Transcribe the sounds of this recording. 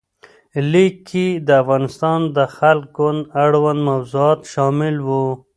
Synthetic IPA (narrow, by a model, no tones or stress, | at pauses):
likʰːid̪əafɣɑːnɪst̪ɑnd̪əxalk̚ɡʊnd̪aɽwand̪mawzuɑːt̪ʃɑmɪlwu